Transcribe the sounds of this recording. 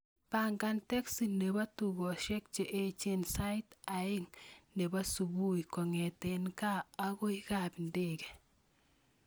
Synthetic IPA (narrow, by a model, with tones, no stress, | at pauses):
pa˨ŋɡa˦ntɛ˦ksi˨ne˨ba˦tuɡɔ˨ʃɛ˦k̚t͡ʃe˨ʔet͡ʃe˦nsa˦ɪta˨ɪ˦ŋne˨ba˦su˨bu˦ikɔ˨ŋɛtɛnkaː˦ɡo˦i˦ka˨pi˨ndeɡɛ˨